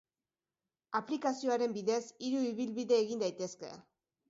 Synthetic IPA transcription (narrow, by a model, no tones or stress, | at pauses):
aplikasio̞aɾe̞mbiðe̞siɾuiβ̞ilβiðe̞ːɣind̪ajt̪e̞ske̞̰